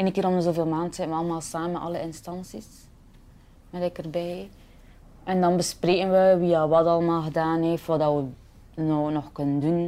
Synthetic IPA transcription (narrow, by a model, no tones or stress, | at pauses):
eːnəkɪːɾɔmzoːveːlˠmaːntsɛnʋəɑlˠəmaːlˠsaːmənʔɑləɪnstɑnsis | mɛdɛkərbɛj | ʔɛndɑnbəspreːkənʋəʋijaːʋɑtɑlˠəmaːlˠɣədaːnɦeftʋɑdɑʋə | nonɔxkɵnəndun